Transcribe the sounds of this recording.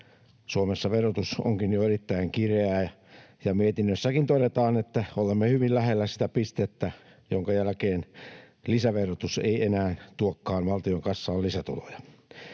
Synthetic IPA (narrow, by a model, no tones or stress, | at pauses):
suomesːɑʋerot̪uso̰ŋkinjoerit̪ːæiŋkireæ | jɑmiet̪inːøsːækint̪odet̪ɑːnet̪ːæolemːehyʋillæhelːæsi̥t̪æpist̪et̪ːæ | joŋkɑjælkeːn | lisæʋerot̪usḛienæːnt̪uokːɑːnʋɑlt̪ioŋkɑsːɑːlisæt̪ṵlo̰jɑ